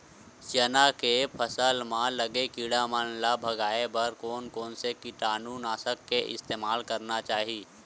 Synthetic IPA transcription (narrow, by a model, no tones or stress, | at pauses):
ʃeːnakepʰəsəlmãləɡekiːɽamənlabʱɐɡaːebəɾkoːnkɔːnsekiʈaːnuːnaːsəkːeʔɪ̰st̪eːmaːlkɐɾnat͡ʃaːɦiː